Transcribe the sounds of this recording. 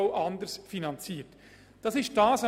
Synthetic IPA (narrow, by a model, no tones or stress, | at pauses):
ʊʔɑndəɾsfinɑnt͡siːət | d̥ɑsɪʃt̚d̥ɑːsa